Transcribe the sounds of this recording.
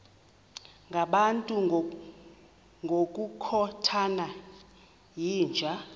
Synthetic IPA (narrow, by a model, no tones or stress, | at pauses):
ŋɡʱaɓantʼu | ŋɡʱokʼukʰɔtʰana | jiːnd͡ʒʱa